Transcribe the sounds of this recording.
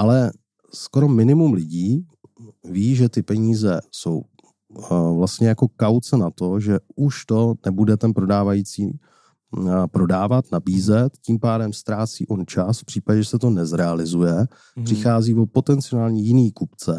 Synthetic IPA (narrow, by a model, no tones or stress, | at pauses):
ʔalɛ | sko̞ɾo̞mɪnɪmumlɪɟiː | viːʒɛt̪ɪpɛɲiːzɛso̞̰w | vlast̪ɲɛjako̞kawt͡sɛnat̪o̞ʒɛuʃt̪o̞nɛbudɛt̪ɛnpɾo̞daːvajiːt͡siː | pɾo̞daːvat̪nabiːzɛt̪ciːmpaːdɛmst̪ɾaːt͡sḭːʔo̞nt͡ʃasfpr̥iːpaɟɛʒɛsɛt̪o̞nɛzɾɛalɪzujɛ | pr̥ɪxaːziːvopo̞t̪ɛnt͡sɪonaːlɲiːjɪniːkupt͡sɛ